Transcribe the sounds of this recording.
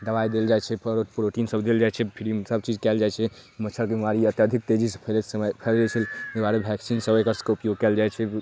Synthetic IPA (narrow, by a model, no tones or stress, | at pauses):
d̪əbajd̪eld͡ʒajt͡ʃʰɛpʰpɾoʈinsəbd̪eld͡ʒajt͡ʃʰɛpʰiɾisəb̚t͡ʃid͡ʒkɛld͡ʒajt͡ʃʰɛkmət͡ʃʰəɾkemimaɾiət̪jad̪ʱik̚t̪ed͡ʒispʰelesəməjpʰɛld͡ʒet͡ʃʰəlebaɾebʱɛksinsəbekəɾskeupjoɡ̚kɛld͡ʒajt͡ʃʰɛ